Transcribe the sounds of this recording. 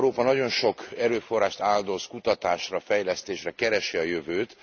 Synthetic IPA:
ɾoːpɒnɒɟo̞nʃo̞kɛɾøːfo̞rːaːʃt̪aːld̪o̞skut̪ɒt̪aːʃrɒfɛjlɛst̪eːʃrɛkɛɾɛʃiɒjøvøːt̪

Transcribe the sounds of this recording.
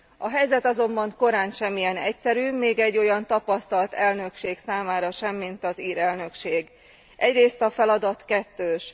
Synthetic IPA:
ɒɦɛjzɛt̪ɒzo̞mbɒŋko̞ɾaːnʃɛmːijɛnɛcsɛɾyːmeːɡɛɟːo̞jɒnt̪ɒpɒst̪ɒlt̪ɛlnø̞kʃeːksaːmaːɾɒʃɛmːint̪ɒziːɾɛlnø̞kʃeːɡ | ʔɛɟreːst̪ɒfɛlɒd̪ɒt̪kɛt̪ːøːʃ

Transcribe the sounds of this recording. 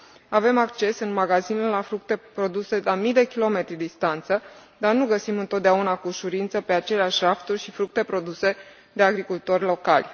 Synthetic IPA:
ave̞makt͡ʃe̞sɨnmaɡazinelafɾuk̚t̪e̞pɾo̞d̪use̞lamijd̪e̞kʲilo̞me̞t̪ɾʲid̪ist̪ant̪səd̪arnuɡəsimɨnt̪ot̪̚d̪eaunakuʃuɾint̪səpe̞at͡ʃe̞leaʃʲraft̪urʲʃifɾuk̚t̪e̞pɾo̞d̪use̞ | d̪e̞aɡɾikult̪o̞rʲlo̞ka̰lʲ

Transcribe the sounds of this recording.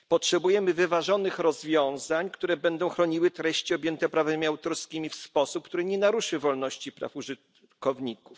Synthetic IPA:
pɔtʂɛbujɛmɘvɘvaʐɔnɘxɾɔzvʲjɔ̃w̃zaɲkt̪uɾɛbɛnd̪ɔ̃w̃xɾɔɲiwɘt̪ɾɛɕt͡ɕiɔbʲjɛnt̪ɛpɾavɛmʲiawt̪ɔɾskʲimʲifspɔsup̚k̚t̪uɾɘɲɛnaɾuʂɘvɔlnɔɕt͡ɕipɾa̰fuʐɘt̪ | kɔvɲikuf

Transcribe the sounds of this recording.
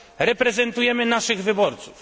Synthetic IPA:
ɾɛpɾɛzɛnt̪ujɛmɘnaʂɘɣvɘbɔɾt̪suf

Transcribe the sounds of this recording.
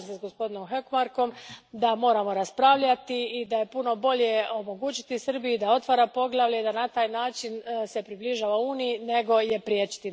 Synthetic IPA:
sesɡo̞spo̞d̪ino̞mxekmaɾko̞md̪amo̞ːɾamo̞ɾaspɾaʋʎat̪iid̪aje̞puno̞bo̞ʎje̞o̞mo̞ɡuːt͡ʃi̥t̪isr̩bijid̪ao̞t̪ʋaɾapo̞ɡlˠaʋʎeid̪anat̪aːjnaːt͡ʃinse̞pɾibliʒaːʋauːnijine̞ɡo̞je̞pɾijet͡ʃi̥t̪i

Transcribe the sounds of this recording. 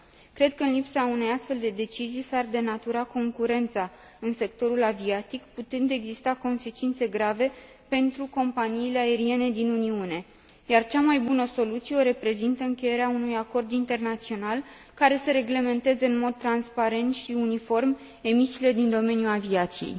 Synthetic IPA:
kɾe̞d̪̚kəɨnlipsaune̞jast̪fe̞ld̪e̞d̪e̞t͡ʃizijsard̪e̞nat̪uɾako̞ŋkuɾe̞nt̪sa | ɨnse̞kt̪o̞ɾulaviat̪ikput̪ɨnd̪e̞ɡzist̪ako̞nse̞t͡ʃint̪se̞ɡɾave̞ | pe̞nt̪ɾuko̞mpaniːle̞ae̞ɾie̞ne̞d̪inuniune̞ | jart͡ʃamajbunəso̞lut̪sijeo̞ɾe̞pɾe̞zint̪əɨŋkʲe̞je̞ɾeaunujako̞rd̪int̪e̞rnat̪sio̞nal | kaɾe̞səɾeɡle̞me̞nt̪e̞ze̞ɨnmo̞d̪̚t̪ːɾanspaɾe̞nt̪ʃiunifo̞rm | e̞misiːle̞d̪ind̪o̞me̞njulaviat̪sijḛj

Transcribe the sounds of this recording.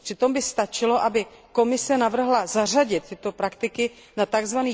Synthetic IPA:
pr̥ɪt̪o̞mbɪst̪at͡ʃɪlo̞ʔabɪko̞mɪsɛnavr̩ɦlazar̝aɟɪt̪̚t̪ːɪt̪o̞pɾakt̪ɪkɪ | nat̪aɡzvaniː

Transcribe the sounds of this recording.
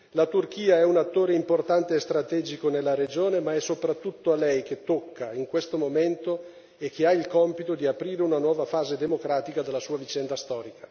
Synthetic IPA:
lat̪urk̟iːaɛunat̪ːoːɾeimport̪ant̪eːst̪ɾat̪ɛːd͡ʒikonelːaɾed͡ʒoːnemaɛsopɾat̪ːut̪ːoalɛjk̟et̪ːokʰːaiŋkwest̪omoment̪o | ek̟ːeailkɔmpit̪od̪iapɾiːɾeunanwɔːvafaːzed̪emokɾaːt̪ikad̪elːasuːavit͡ʃɛnd̪ast̪ɔːɾikḁ

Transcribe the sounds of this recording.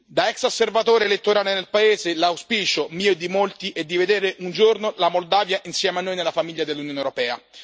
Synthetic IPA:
d̪aɛksosːervat̪oːɾelet̪ːoɾaːlenelpaeːzelawspiːt͡ʃomiːod̪imolt̪iʔɛd̪ːived̪eːɾeʔund͡ʒornolamold̪aːvjaʔinsjɛːmeanːojnelːafamiʎːad̪elːunjoːnewɾopɛːa

